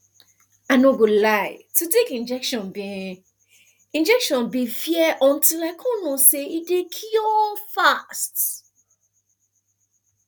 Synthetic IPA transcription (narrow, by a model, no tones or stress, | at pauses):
anõɡolajtutekĩnd͡ʒɛkʃɔ̃nbĩ | ĩnd͡ʒɛkʃɔ̃nbifiɛʔɔ̃n̩tilakʰɔ̃nũseidekʰiɔfast